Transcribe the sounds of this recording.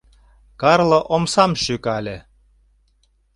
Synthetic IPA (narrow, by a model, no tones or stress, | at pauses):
kɑrlɤ̆ʔomsɑmʃykɑlʲĕ